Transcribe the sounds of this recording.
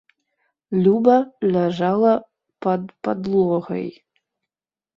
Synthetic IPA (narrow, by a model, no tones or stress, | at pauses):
lʲubɐlʲaʐalˠɐ | pɐd̪pɐd̪lˠoɣɐ̰j